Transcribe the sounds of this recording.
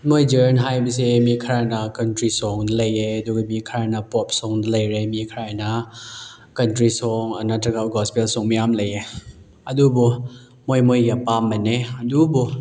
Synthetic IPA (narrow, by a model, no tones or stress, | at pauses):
mojd͡ʒəɾnɦajbɐsemikʰɾanɐkɐntɾisɔŋdɐlɐjeɐduɡamikʰɾanɐpɔp̚sɔŋdɐlɐjɾemikʰɾajnɐ | kɐntɾisɔŋa̰natɐɡaɡɔspelsɔŋmijamlɐje | ɐdubɔ | mojmojɡapamːɐneɐdubu